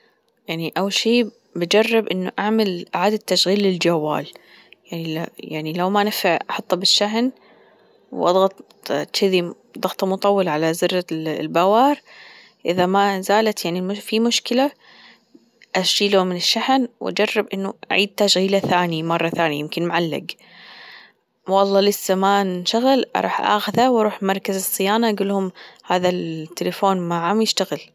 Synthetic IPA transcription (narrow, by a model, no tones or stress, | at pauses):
jaʕniʔawːʃiː | bad͡ʒɑrˤːɪbʔɪnːʊʔaʕmɪlʔɪʕaːd̪at̪ːaʃɣiːlːɪld͡ʒawːa̰ːl | jaʕniljaʕnilawmanɪfaʕʔɑħɑt̪ˤːɑbɪʃːaɦn | wʔɑ̰d̪ˤɣɑt̪ˤ | t̪ʃɪði | d̪ˤɑɣt̪ˤɑmʊt̪ˤɑwːɑlʕalazɪrːalbawɑːɾˤ | ʔɪðamazaːlat̪jaʕnimʊfimʊʃkɪla | ʔaʃiːlomɪnɪʃːaħnwʔa̰d͡ʒɑrˤːɪbʔɪnːʊʔa̰ʕiːd̪̚t̪aʃɣiːlaθaːnjamɑrˤːɑθaːnja̰jɪmkɪnmʊʕalːɪ̰ɡ | wɑlˤːɑːlɪsːamanʃaɣɪlʔɑ̰ɾˤɑ̰ːħʔa̰xaðawʔɑɾˤuːħmɑɾˤkazɨsˤːɨjaːnaʔaɡʊlːhʊmhaːðat̪ːɪlafoːnmaʕamjɪʃt̪aɣɪl